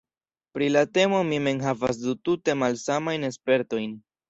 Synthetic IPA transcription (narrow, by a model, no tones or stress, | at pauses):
pɾilate̞mo̞mime̞nɦavas̬dutute̞malsamajne̞spe̞ɾto̞jn